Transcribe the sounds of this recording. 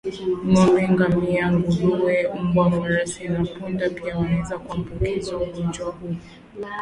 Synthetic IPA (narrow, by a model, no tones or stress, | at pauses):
m̩mɔmbɛŋɡamiaŋɡuɦuwɛm̩bwafaɾasinapundapiawanɛzakuambukɛzauɡɔnd͡ʒwahuu